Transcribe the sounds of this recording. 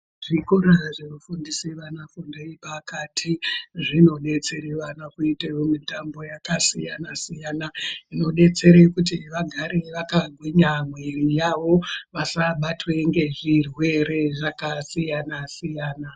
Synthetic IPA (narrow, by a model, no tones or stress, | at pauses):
ʐ̥ikoɾaʐeʋufundisiʋanafundeipakatʰiʐino̞ɗe̞t͡se̞ɾeʋanakuitejomitambo̞jakasijanasijanaino̞ɗe̞t͡se̞ɾekut̬iʋaɡʱaɾeʋakaɡʱwiɲamwerijaʋo̞ʋasaɓatweŋɡe̞ʐirwe̞re̞ʐakasijanasijaːna